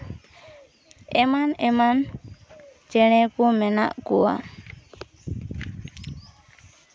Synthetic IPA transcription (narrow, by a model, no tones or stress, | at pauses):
ɛmanɛman | t͡ʃɛɽ̃ɛkumɛna̰ʔkua̰